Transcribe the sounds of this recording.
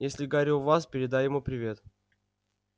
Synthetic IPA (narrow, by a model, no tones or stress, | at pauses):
jesʲlʲɪɡaɾʲuvaspʲɪɾʲɪd̪ajɪmupɾʲɪvʲe̞t̪